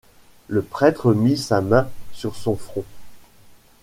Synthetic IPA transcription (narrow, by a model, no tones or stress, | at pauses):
ləpχɛt̪χəmisamɛ̃syʁsɔ̃fχɔ̃